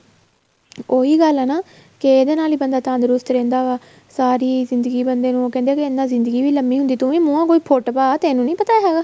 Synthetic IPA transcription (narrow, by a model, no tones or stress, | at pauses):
oːiːɡəlɛːnaː | keeːd̪eːnaːliːbənd̪aːt̪ãːnd̪ɾʊst̪ɾɛ̃ːnd̪aːʋaː | saːɾiːzɪnd̪əɡiːbənd̪eːnũːoːkɛ̃ːnd̪eaːkeɪnːãːzɪnd̪əɡiːʋiːləmːiːɦʊnd̪iːt̪ʊʋẽːmũːãːkoːiːpʰoʈpaːt̪eːnũːnĩːpət̪aːɦɛːɡaː